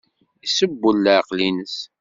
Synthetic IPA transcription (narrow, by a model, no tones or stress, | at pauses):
isəbːəlːəʕqlinəs